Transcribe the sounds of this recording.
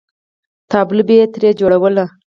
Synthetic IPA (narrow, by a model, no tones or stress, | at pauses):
t̪ɑblubet̪ɾed͡ʒoɽawəla